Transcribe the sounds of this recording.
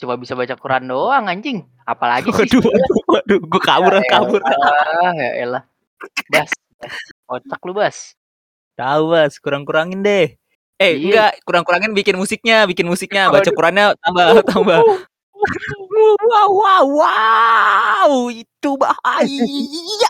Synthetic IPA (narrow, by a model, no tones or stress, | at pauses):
t͡ʃumabisabat͡ʃakuɾandoaŋaɲd͡ʒɪŋ | a̰pala̰ɡiaduad̪uaduɡukabʊɾakabʊr | a̰a̰lah | basbaskot͡ʃak̚lubas | t̪aubaskuɾaŋkuɾaŋɪndeh | eŋɡaʔkuɾaŋkuɾaŋɪnbikɪnmusɪk̚ɲabikɪnmusɪk̚ɲabat͡ʃakuɾanɲat̪ambat̪amba | wawwawwa | uit̪ubahaia